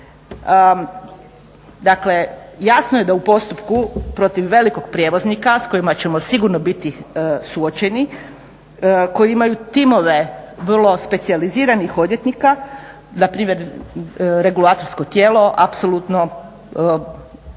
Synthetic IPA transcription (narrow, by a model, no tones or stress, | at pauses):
d̪akle̞jasnoje̞d̪aupo̞st̪upkupɾo̞t̪iʋːe̞liko̞ɡ̚pɾjeːʋo̞znikasko̞jimat͡ɕe̞mo̞siɡuɾno̞bit̪isuot͡ɕe̞ni | ko̞jiimajut̪imo̞ʋe̞ʋr̩lˠo̞spe̞t̪sializiːɾanixod̪je̞t̪nika | napɾiːmje̞ɾ | ɾe̞ɡulaːt̪o̞ɾsko̞t̪je̞ːlo̞ʔapsolˠut̪no̞